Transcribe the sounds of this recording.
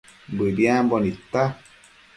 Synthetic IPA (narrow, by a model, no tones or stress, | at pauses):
bɨbjambɔnit̪a